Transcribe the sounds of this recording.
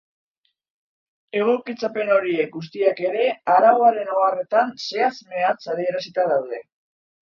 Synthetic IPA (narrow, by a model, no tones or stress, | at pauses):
e̞ɣ̞o̞kit͡sape̞no̞ɾie̞k̚ɡus̬t̪iake̞ɾe̞aɾaɣo̞aɾe̞noare̞t̪anse̞azme̞at͡saðie̞ɾasit̪aðawðe̞